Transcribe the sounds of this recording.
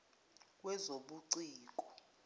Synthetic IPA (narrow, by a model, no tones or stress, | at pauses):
k̬ʼwɛzoɓuǀiːk̬ʼɔ̥